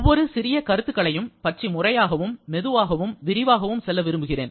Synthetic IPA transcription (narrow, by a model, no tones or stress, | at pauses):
ɔʋːɔɾɯsɪɾɪjɐkɐɾɯt̪ːɯkːɐɭɐjɯmpɐʈt͡ʃimʊrɐjaːɣɐʋɯmːɛðɯʋaːɣɐʋɯmʋɪɾɪʋaːɣɐʋɯmsɛlːɐʋɪɾɯmbɯɣɪrḛːn